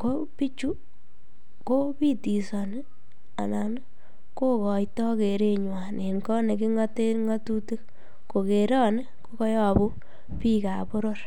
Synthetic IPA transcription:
ko˦pi˦t͡ʃu˦ | ko˦pi˦ti˨sɔ˨n˦ | a̰˨na˨n˦ | ko˦kɔ˨jtɔ˦ke˨ɾe˦ɲwa˨ne˨nkɔ˦ne˨ki˦ŋa˦te˦ŋa˦tu˦te˦k | ko˨ke˨ɾɔ˦nɪ˦ko˦kɔ˦jɔ˦˨bu˦ | pi˦ka˨po˦ɾor

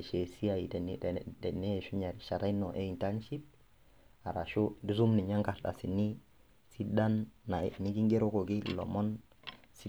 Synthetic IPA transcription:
ʃe˨si˦a˨ji˨tni˦dɛ˨ne˦˨ʃu˦ɲa˨ɾi˨ʃa˨ɾa˦i˦nɔ˨ʔe˦i˨nta˦nʃi˦p̚ | a˨ɾa̰˨ʃu˦di˦zu˦mni˨ɲa˦ŋka˨ɾɗa̰˨si˨nːi˦ | si˦da˦nːa̰˨ni˦ɡi˦ŋɡe˦ɾo˦ko˨ɡi˦lɔ̰˨mɔ˦n | si˦

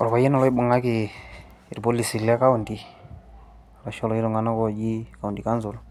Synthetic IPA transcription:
ɔ˨ɾɔ˨ba˨jɛ˦nɔ˨lɔ˦i˦ɓa˨ŋa˦ki˨ | i˨ɾpo˦li˨si˨lɛ˦ka˦u˨ndi˨ | ɾa˨ʃɔ˦lɔ˨i˦ɾɔ˨ŋɡa˨na˦kɔ˨d͡ʒi˦ka˨u˨ndi˨ka˦nzu˨l

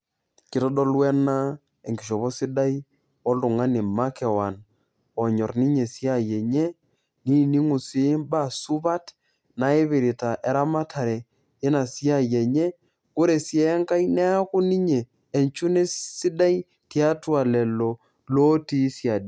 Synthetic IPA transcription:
kɪ˨tɔ˦dɔ˦lwɛ˦na˦ | e˨ŋɡi˨ʃ̬ɔ˨βɔ˦si˦da˦i˦ | ɔ˦lʊ˨ŋa˦ne˨ma˦kɛ˨wa˨n | ɔ˨ɲɔ˨rni˦ɲe˨si˦a˦˨jɛ˨ɲɛ˦ | ni˦˨ni˦ŋu˨sɪ˦mba˦su˦βa˦t | na˨e˦βe˨ɾi˨ta˨ʔɛ˨ɾa˦ma˦tʰa˨ɾɛː˨˦ | na˨si˦a˦˨jɛ˨ɲɛ˦ | ko˦ɾe˨sjɛ˦ŋka˦i˦nɛ˦a˦kʊ˦ni˦ɲeː˨ | nt͡ʃu˦ne˦si˦da˦i˦ | tja˦twa˨lɛ˨lɔ˨ | lo˦ti˦sja˨di˨

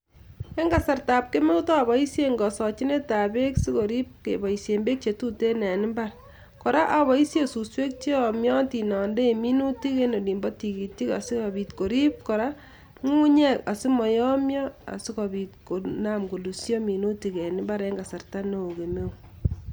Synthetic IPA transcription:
e˦ŋɡa˨sa˨rta˨p̚ke˦me˦wu˦tɔ˦a˨βɔ˨i˦sje˦ŋɡɔ˨sɔ˨t͡ʃi˦ne˦ta˨be˦ksi˦ko˨ɾi˦p̚kḛ˨bɔ˨isje˨mbe˦k̚t͡ʃe˨tu˦te˦nɛ˨nɪ˦mba˦r | kɔ˨ɾa˦ʔa˨βɔ˨i˦sje˦su˨swe˦k̚t͡ʃe˦ɔ˨mjɔ˦ti˨nɔ˨nde˦˨mi˦nu˦ti˦ke˦no˨li˨mbɔ˦ti˨ki˨ti˦ka̰˨si˦kɔ˨bi˨tko˨ɾi˦p̚kɔ˨ɾa˦ | ŋu˦ɲɛ˦ka˨si˦mɔ˨jɔ˦mjɔ˦a̰˨si˦kɔ˨bi˨tko˨na˦mɡo˨lu˨sjɔ˦mi˨nu˦ti˨˦ke˨ni˦mba˦ɾe˦ŋɡa˨sa˨rta˦no˨o˨ke˨me˦u

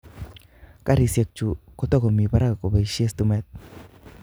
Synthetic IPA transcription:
ka˦ɾise˨k̚t͡ʃu˨kotɔ˦kɔ˨mi˨pa˦ɾaa˨ko˨ba˨jʃi˦e˦stumɛt̪̚

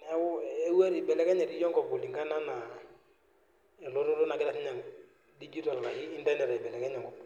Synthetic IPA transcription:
n˨a˦wʊ˦e˦wa˦ɾi˨bɛ˨lɛ˦kɛ˦ɲɛ˨ɾi˦jɔ˦ŋɡɔ˨pʊ˨li˨ŋɡa˦na˦na˨ | ɛ˨lo˦ɾo˦to˦na˨kɪ˦ɾa˦˨sɛ˦ɲa˨ŋ | di˦d͡ʒi˦ta˨lːa˨iː˦nda˦nɛ˨ɾa˨bɛ˨lɛ˨kɛ˦ɲɛ˨ŋɡɔ˨p

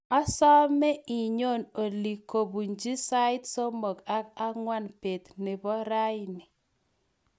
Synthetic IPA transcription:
a˦sɔ˦mɛ˦ʔi˨ɲo˦˨no˨li˨ko˨bu˨nd͡ʒi˦sa˦ɪ˦tso˦mo˨ka˦ka˦ŋwa˦npe˨t̪nɪ˨bɔ˦ɾa˦jni˨

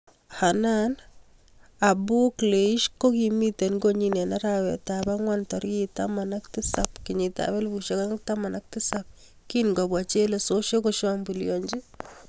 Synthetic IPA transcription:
ha˨na˦n | a˨bu˦kle˨i˦ʃko˦ki˨mi˦te˨nɡo˦ɲi˨ne˨na˦ɾa˨wɛ̰˨ta˨ba˦ŋwa˦ntɔ˨ɾita̰ma˨na˦ktɪ˦sa˨pkɪ˨ɲi˨ta̰˨βɛ˦lbu˨ʃe˦ka˦ŋta˦ma˨na˦k̚tɪ˦sa˦p̚ | ki˦nŋɡa˨bwa˨t͡ʃe˦le˨so˦ʃo˦ko˦ʃambu˨ljɔ˨ɲd͡ʒi˦

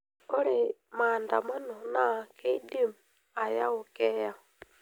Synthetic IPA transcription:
o˦ɾi˦maːnda˨ma˦no˨na˨ke˦i˦di˦m | a˨ja˦u˨kɛ˦ja˦

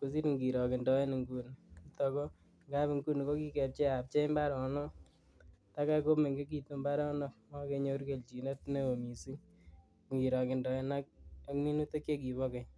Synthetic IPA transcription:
ko˨˦s̬i˦ɾŋɡi˨ɾɔ˨kɪ˨ndɔ˨ɛ˦ni˨ŋɡu˦ni˦tɔ˨kɔ˦ | ŋɡa˦bi˨ŋɡu˦n˨ko˦ki˦kɛ˨p̚t͡ʃɛ˦a˨p̚t͡ʃɛ˦mba˦ɾɔ˨nɔ˦ | ta˦ka˦ko˦me˨ŋɡe˦k̬i˨tu˦mba˦ɾɔ˦nɔ˦mɔ˦ke˨˧ɲo˦ɾke˨lt͡ʃi˨ne˦tne˦o˨mi˨si˦ŋ | ŋɡi˨ɾɔ˨kɪ˨ndɔ˨ɛ˦na˦k̚a˦kni˦nu˦te˦kje˦k̬i˨βɔ˦kɛ˨j

